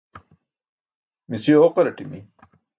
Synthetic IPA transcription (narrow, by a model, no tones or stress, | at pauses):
mit͡sioqɐɾɐʈimi